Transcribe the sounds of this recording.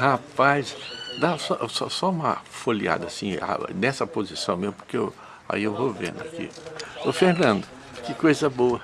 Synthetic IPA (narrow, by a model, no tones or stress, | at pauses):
hapajsd̪asɔsɔsɔũmɐ̰folia̰d̪ɐsĩa̰nɛsɐpozisɐ̃w̃mezmʊpo̥ɾkee | a̰iewvovḛ̃nd̪ʊakḭʊfeɾnɐ̃nd̪ʊ | kɪkojzɐboɐ